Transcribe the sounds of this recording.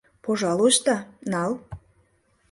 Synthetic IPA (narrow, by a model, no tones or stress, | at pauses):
poʒɑlˠoʃt̪ɑnɑl